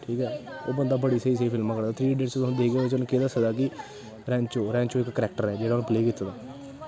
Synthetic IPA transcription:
ʈʰiːkɛːoːbənd̪aːbəɽiːsəːiːsəiːpʰɪlmãːkəɽd̪aːt̪ʰɾiːɖeːɽst͡ʃt̪ʊ̃ːd̪eɡeet͡ʃoñːkeːd̪aːsəd̪aːk̬ɪ | ɾɛ̃ːɲt͡ʃoːɾɛ̃ːɲt͡ʃoːɪkːəɾɛːk̚ʈəɾɛːd͡ʒeːɽaːnũːpleːkɪt̪ːad̪aː

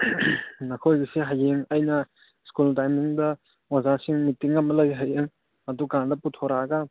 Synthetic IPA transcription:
nakʰojɡɐseɦajeŋɐjnɐ | skultajmiŋdɐ | wazasiŋmitiŋːɐmɐlɐjɦajeŋ | ɐdukandɐputʰoɾaɡɐ

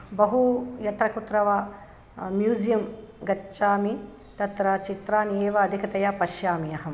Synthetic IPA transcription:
bɐɦujɐt̪ɾɐkut̪ɾɐʋɐ | mjuːzijɐmɡɐt͡ʃaːmi | t̪ɐt̪ɾɐt͡ʃit̪ɾaːneːʋɐːd̪ʱikɐt̪ɐjapɐʃjaːmijɐɦɐm

